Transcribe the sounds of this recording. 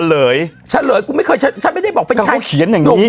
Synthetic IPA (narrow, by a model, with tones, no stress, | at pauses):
ləː˨˩˦jt͡ɕʰa˦˥ləː˨˦jkʊ˧˥ma˥˩jkʰəː˧jt͡ɕʰa˦˥t͡ɕʰa˦˥nma˥˩jda˥˩jbɔː˨˩k̚pe˧nʰ˧˥a˧u˧˥˩kʰi˨˩˦ənja˨˩ŋi˨˩˦